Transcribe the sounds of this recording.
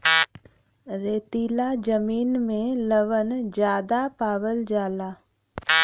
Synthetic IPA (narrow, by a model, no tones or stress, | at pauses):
ɾeːt̪iːlad͡ʒəmiːnmẽləʋənd͡ʒjaːd̪apaːʋəld͡ʒaːlaː